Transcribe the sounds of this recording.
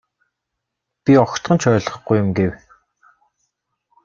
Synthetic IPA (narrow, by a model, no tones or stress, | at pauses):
pʲiɔxt̪χə̆nt͡ɕʰœːɮʁə̆χɡujʊ̆mɡew